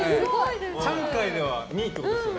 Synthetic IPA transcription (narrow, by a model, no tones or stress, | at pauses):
sãŋkaid̪e̞βaɲʲiːt̪os